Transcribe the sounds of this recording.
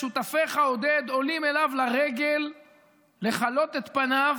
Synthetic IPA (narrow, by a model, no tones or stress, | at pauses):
ʃut̪afeχaod̪ed̪o̞lime̞lavlaʁe̞ɡe̞lː | e̞χalo̞t̪et̪panav